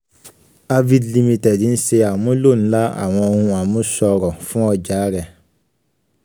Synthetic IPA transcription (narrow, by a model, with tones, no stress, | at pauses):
a˧vi˦dli˧mĩ˧tɛ˨di˨˦n̩˦se˧a˨mũ˦lo˦˨n̩˦la˦a̰˨w̃ɔ̃˧o˧hũ˧a˨mũ˦sɔ˧ɾɔ˨fũ˦ɔ˧d͡ʒaː˨˦ɾɛ˦˨